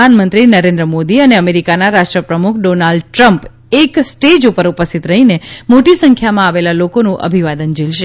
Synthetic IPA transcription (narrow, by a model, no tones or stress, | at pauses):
anmənt̪ɾinəɾẽnd̪ɾəmod̪iəneəmeɾikanaɾaʃʈɾəpɾəmukʰɖonalɖʈɾəmp | eksʈed͡ʒupəɾupəst̪ʰit̪ɾəɦinemoʈisəŋkʰjamãaʋelalokonũʔə̰bʱiʋad̪ənd͡ʒilʃe